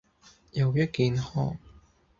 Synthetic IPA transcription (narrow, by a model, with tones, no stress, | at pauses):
jɐ˨wjɐ˥t̚kiː˨˧nhɔː˥ŋ